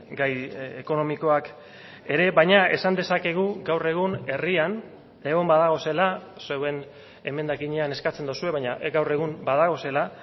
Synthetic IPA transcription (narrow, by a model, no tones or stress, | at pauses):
ɡajeko̞no̞miko̞ak | e̞ɾe̞βajɲae̞̰sand̪e̞sake̞ɣ̞uɡawre̞ɣ̞une̞rian | eɣo̞mbaðaɣ̞o̞se̞lasewe̞n | e̞me̞nd̪akiɲeane̞skat͡se̞nd̪osue̞βaɲaɡawre̞ɣ̞umbaðaɣ̞o̞se̞la